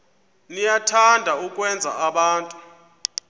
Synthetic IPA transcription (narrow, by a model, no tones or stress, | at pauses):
nijatʰandʱaukʼwɛnd͡zʱa̰aɓaːntʼu